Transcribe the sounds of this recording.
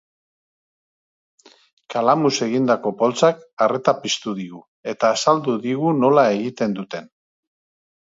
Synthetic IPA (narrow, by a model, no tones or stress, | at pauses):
kalamuse̞ɣ̞ind̪ako̞po̞lt͡sakare̞t̪apist̪uðiɣu | e̞t̪aːsald̪uðiɣuno̞lae̞ɣit̪e̞nd̪ut̪e̞n